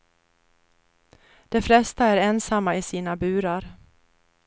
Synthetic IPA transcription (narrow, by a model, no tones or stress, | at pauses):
d̪̥ɛflɛst̪aæɾɛnsamːaɪsiːnabʉ̟ːɾaɾ